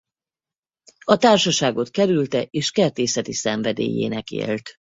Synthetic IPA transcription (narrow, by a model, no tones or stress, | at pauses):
ɒt̪aːrʃɒʃaːɡo̞t̪kɛɾylt̪ɛʔeːʃkɛrt̪eːsɛt̪isɛɱvɛd̪ḛːjḛːnɛkḛːlt̪